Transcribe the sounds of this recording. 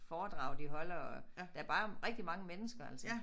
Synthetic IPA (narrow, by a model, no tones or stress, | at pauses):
fɒːd̥ʁɑ̰̈ʊ̰d̥iɦɒ̽lɐɒ̥ææɐb̥ɑ̈ːʁɛɡ̥̚d̥imɑ̈ŋəmenəsɡ̥ɐæl̰sə